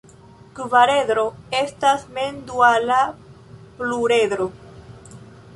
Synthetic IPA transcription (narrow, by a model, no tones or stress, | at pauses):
kvaɾe̞ðɾo̞estasmend̪uala | pluɾe̞dɾo